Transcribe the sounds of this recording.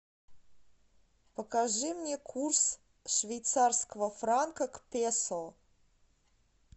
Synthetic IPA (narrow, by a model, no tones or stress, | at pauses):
pəkaʐɨmnʲekʰurs | ʂvʲejt̪sarskəvəfrankəkpʲesəlˠ